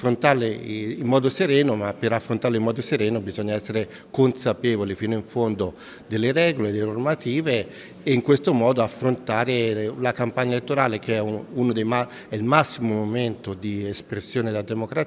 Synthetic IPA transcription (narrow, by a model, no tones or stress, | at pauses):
fɾont̪aleimːɔːd̪oseɾɛːnomapːeɾafɾont̪aːɾleimːɔːd̪oseɾɛːnobizoɲːaɛsːeɾe | konsapɛːvolifiːnoiɱfond̪o | d̪elːeɾɛːɡoled̪elːenormat̪iːveː | iŋkwest̪omɔːd̪oafːɾont̪aːɾelakampaɲːaelet̪ːoɾaːlek̟eɛunod̪ejma | ɛilmasːimomoment̪od̪iespɾesːjoːned̪ad̪emokɾa